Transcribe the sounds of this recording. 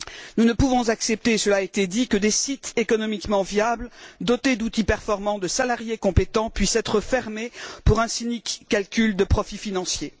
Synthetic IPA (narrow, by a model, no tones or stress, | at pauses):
nunəpuvɔ̃zaksɛp̚t̪esəlaet̪ed̪ikəd̪esit̪ekɔnɔmikmɑ̃vijabld̪ɔt̪ed̪ut̪ipɛʁfɔʁmɑ̃d̪əsalaʁjekɔ̃pet̪ɑ̃pɥisɛt̪χəfɛʁmepuʁɛ̃sinikːalkʲyld̪əpχɔfifinɑ̃sje